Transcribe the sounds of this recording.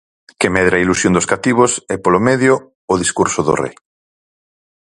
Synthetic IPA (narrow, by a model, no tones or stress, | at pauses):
kɪmɛðɾaɐilusjõnd̪oskat̪iβosɛpolomɛðjo | ʊðiskuɾsʊðo̰rḛj